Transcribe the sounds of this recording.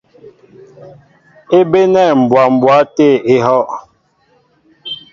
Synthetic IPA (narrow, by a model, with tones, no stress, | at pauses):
e˦be˦nɛ˦˨m̩˨bwa˨m̩˨bwa˨˦te˦˨e˦ɦɔ˦ʔ